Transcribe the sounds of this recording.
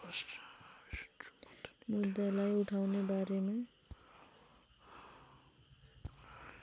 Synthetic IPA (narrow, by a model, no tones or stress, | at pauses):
s | mud̪ːalajuʈʰawnebaɾema